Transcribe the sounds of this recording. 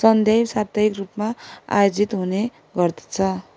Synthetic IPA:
sʌnd̪ʱebsat̪ʌɦikrupmaa̰jod͡zit̪ɦune | ɡʌrt̪i̥t͡sʰʌ

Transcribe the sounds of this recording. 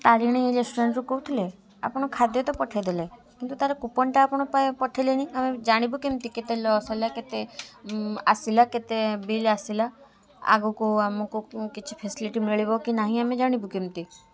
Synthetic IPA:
t̪aɾiɽ̃ielesʈuɾaɳʈɾukout̪ʰile | a̰pɽ̃ɔkʰad̪jɔt̪ɔpɔʈʰed̪elekint̪ut̪aɾekupɔɳʈaːpɽ̃ɔpaepɔʈʰeleniamed͡ʒaɽ̃ibukemt̪iket̪elɔsalaket̪e | a̰silaket̪ebilasila | a̰ɡukoamokokit͡ʃʰi̥pʰesiliʈimɾeɭibɔkinaɦĩamẽd͡ʒaɽ̃ibukemt̪i

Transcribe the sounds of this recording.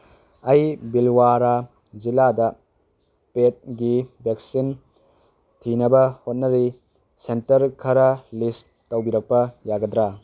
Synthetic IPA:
ɐjbilwaɾa | ziladɐ | pet̚ɡibeksin | tʰinɐbɐhot̚nɐɾi | sentɐɾkʰɐɾɐlis | tːɐwbiɾɐk̚pɐjaɡɐdɾa

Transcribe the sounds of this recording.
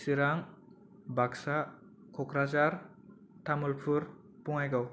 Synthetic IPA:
siɾaŋ | baksa | kʰɔkʰɾazaɾ | tʰamulpʰɯɾ | puŋajɡaw

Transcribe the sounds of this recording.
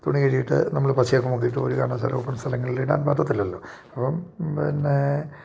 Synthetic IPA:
t̪uɳiɣɐɾijiʈːɨ̰nɐmːɐɭpɐɕijaːkːumukːijiʈːɨoɾuka̰ːɳɐmsɐ̰lɐ̰mupːɐmst̪ʰɐlɐŋːɐɭileɽa̰ːnpaːt̪ːɐt̪ːilːɐlːo̞̰ː | ɐpːɐmpinːe

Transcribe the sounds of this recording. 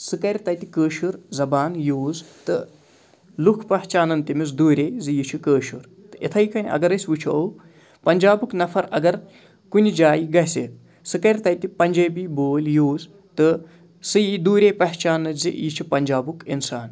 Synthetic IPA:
sɨkɐɾʲt̪ɐjt̪i̥kəːʃuɾzɐbaːnjuːzt̪ɨ | lukʰpɐɦt͡ʃaːnɐnt̪imizd̪uːɾʲeːzɨjit͡ʃʰukəːʃuɾ | t̪ɨʔit̪ʰɐjkɐnʲʔɐ̰ɡɐɾɐsʲʋut͡ʃʰuow | pɐnʲd͡ʒaːbuknɐfʰɐɾɐɡɐɾ | kunʲid͡ʒaːjiɡɐset̪̚ | sɨkɐɾʲt̪ɐjt̪ipɐnʲd͡ʒɐːbiːboːljoːz | t̪ɨ | sɨjid̪uːɾʲeːpɐɦt͡ʃaːnːɨzijit͡ʃʰupɐnʲd͡ʒaːbukinsaːn

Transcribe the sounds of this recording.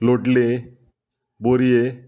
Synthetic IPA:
loʈle | boɾije

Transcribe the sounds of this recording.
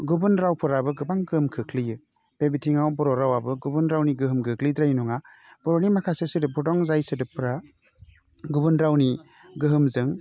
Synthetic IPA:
ɡubɯnɾawpʰɯɾabɯɡɯbaŋɡɯhɯmkʰɯkʰlijɯ | b̥ebitʰiŋawbɔɾɔɾawabɯɡubɯnɾawniɡɯɦɯmɡɯklid̪ɾajnɔŋa | b̥ɔɾɔnimakʰasɯsɯdɯbɔdɔŋzajsɯdɯpʰɯɾa | ɡubɯnɾawni | ɡɯɦɯmzɯŋ

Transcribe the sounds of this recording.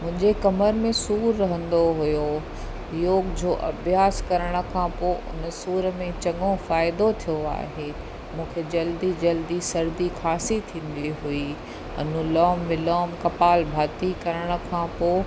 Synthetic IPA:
mʊ̃ɦɪ̃ɲd͡ʑekɐməɾmẽsuːɾːɐɦə̃nd̪oɦujo | joːɡd͡ʑoːʔɐbjaːskɐɾəɽ̃ə̆kʰãːpoːʔʊ̰nə̆suːɾəmẽt͡ɕɐŋõfaːɪd̪ot̪ʰijoa̰ːɦeː | mũːkʰed͡ʑɐld̪id͡ʑɐld̪isɐɾd̪ixʰaːsit̪ʰĩːn̆d̪iɦui | ɐ̰nũlɔːmːɪlɔːmkɐpaːlbʱaːt̪ikɐɾəɽ̃ə̆kʰãːpoː

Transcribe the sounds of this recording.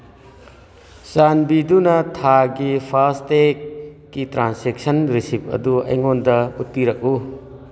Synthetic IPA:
sanbidunɐtʰaɡipʰaɾstekː | itɾansek̚sɐnɾisip̚ʰɐ̰duɐ̰jŋondɐut̚piɾɐk̚u

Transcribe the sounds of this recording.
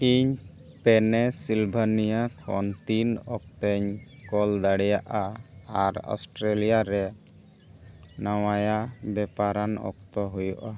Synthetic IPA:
iɲ | pɛnɛsilbʱanijakʰɔnt̪inɔk̚t̪ɛɲ | kɔld̪aɽɛjaʔaaɾɔ̰sʈɾelijaɾɛ | nawajabɛpaɾanɔ̰k̚t̪ɔɦujɔʔa

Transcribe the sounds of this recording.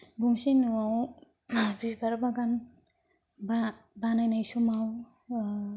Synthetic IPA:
ɡuŋsinuaw | bibaɾbaɡan | ba | banajnajsumaw

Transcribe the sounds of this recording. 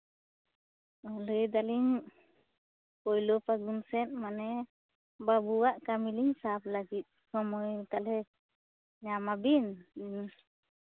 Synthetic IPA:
ɔləjd̪aliɲ | pɔjlɔpaɡunsɛnmanɛ | babuwaʔkamiliɲsaplaɡit̪̚hɔmɔjt̪alɛ | ɲamabinninus

